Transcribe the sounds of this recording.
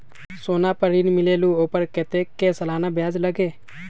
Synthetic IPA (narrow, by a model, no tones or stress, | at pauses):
soːnapəɾiːnmɪleːluoːpəɾket̪eːkːesɐlaːnabjaːd͡ʒləɡeː